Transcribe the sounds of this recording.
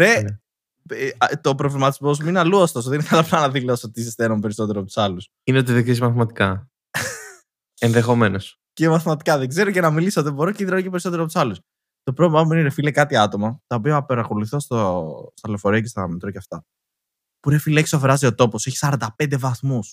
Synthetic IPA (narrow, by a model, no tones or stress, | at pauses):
e | t̪o̞pɾo̞vlimɐt̪izmo̞zmineɐluost̪o̞s̬oðeninekɐlɐplɐnɐðilo̞sot̪iisist̪enompe̞ɾiso̞t̪e̞ɾoɐpot̪u̥sɐlus | ineot̪iðeɡzesmɐθmɐt̪i̥kɐ | enðexo̞me̞nos | cemɐθmɐt̪i̥kɐðeɡze̞ɾocenɐmilisot̪ðebo̞ɾoceiðɾonocepeɾisot̪eɾoɐpot̪u̥sɐlus | t̪o̞pɾovlmɐminiɾefilekɐt̪iɐt̪o̞mɐt̪ɐopiɐpeɾɐko̞luθost̪ost̪ɐlefoɾiɐcest̪ɐmet̪ɾoceɐft̪ɐ | puɾefileçisofɾɐzio̞t̪o̞poseçi̥sɐɾɐnd̪ɐpend̪e̞vɐθmus